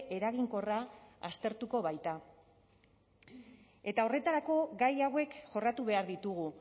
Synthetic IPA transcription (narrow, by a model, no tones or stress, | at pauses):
ʔe̞ɾaɣiŋko̞raa̰st̪e̞ɾt̪uko̞βajt̪a | e̞t̪ao̞re̞t̪aɾako̞ɡajawe̞kʝo̞rat̪uβe̞aɾðit̪uɣ̞u